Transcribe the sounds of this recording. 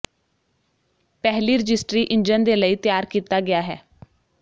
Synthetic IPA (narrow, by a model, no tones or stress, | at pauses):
pɛɦliːɾəd͡ʒɪsʈɾiːʔɪɲd͡ʒənd̪eːləiːt̪jaːɾkiːt̪aːɡɪjaːɦɛː